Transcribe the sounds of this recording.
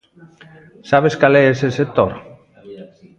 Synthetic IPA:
saβeskaleeseset̪oɾ

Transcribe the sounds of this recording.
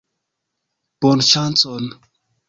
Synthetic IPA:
b̥onʃant͡son

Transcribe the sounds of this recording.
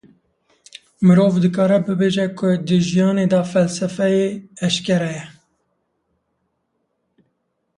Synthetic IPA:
mɨɾoːvd̪ɨkɑːɾɛbɨbeːʒɛkʰʊd̪ɨʒijɑːneːd̪ɑfɛlsɛfɛjeɛʃkɛɾɛjɛ

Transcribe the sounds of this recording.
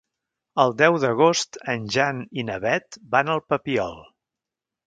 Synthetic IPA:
əlˠd̪ɛwðəɣ̞ost̪ənʲʒaninəβɛt̪banəlˠpəpiɔ̰lˠ

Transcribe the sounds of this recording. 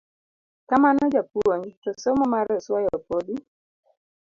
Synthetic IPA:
kamanɔd͡ʒapoŋtɔsomɔmaɾɔswajɔpodi

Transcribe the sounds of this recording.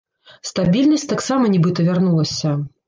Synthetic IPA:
st̪abʲilʲnɐsʲt̪aksamɐnʲibɨt̪ɐvʲarnulˠɐsʲɐ

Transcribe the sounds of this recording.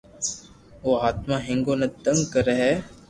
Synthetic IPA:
oːɦaːt̪mãːɦɪ̃ŋɡoːnɐt̪əŋɡkəɾəɦɛː

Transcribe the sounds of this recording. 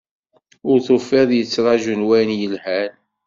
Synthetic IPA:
ʊɾθʊfːɪðˤjət͡sːɾˤɑʒənwæjnjəlhæn

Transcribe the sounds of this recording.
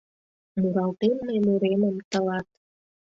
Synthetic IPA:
muɾɑlt̪emːemuɾeməmt̪əlɑt̪̚

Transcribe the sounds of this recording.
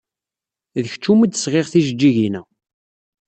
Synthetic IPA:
ðəçt͡ʃːuməd̪əsʁeʁθiʒəd͡ʒːiʝinæ

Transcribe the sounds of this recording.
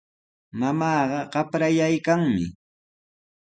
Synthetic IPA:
mamɑːɢɑɢɑpɾajajkaŋmɪ̰

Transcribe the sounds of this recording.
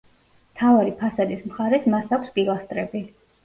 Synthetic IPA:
mt̪ʰavaɾipʰasad̪ismχaɾɛsmaɾt̪ʰakʷʰspʼilˠast̪ʼɾɛbi

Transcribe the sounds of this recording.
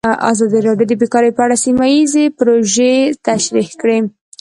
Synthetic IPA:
a̰zɑd̪iɾɑɖjod̪əbekɑɾejpəaɽasimajizepɾoʒet̪aʃɾixkɽe

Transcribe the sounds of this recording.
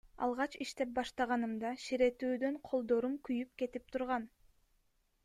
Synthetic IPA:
ɑ̰lˠʁɑt͡ʃiʃt̪e̞p̚bɑʃt̪ɑʁɑnɯmd̪ɑʃiɾe̞t̪yːd̪ø̞ɴqʰo̞lˠd̪o̞ɾumkyjyp̚ke̞t̪ip̚t̪ʰuɾʁɑn

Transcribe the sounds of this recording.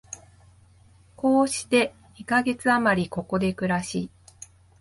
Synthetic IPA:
ko̞ːɕi̥t̪e̞ | ikaɡe̞t͡sɨamaɾʲiko̞ko̞d̪e̞kɯ̟ɾaɕiː

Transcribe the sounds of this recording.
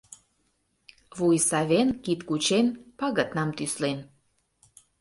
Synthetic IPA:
βujsɑβenkit̪kut͡ɕenpɑɣət̪nɑmt̪yslen

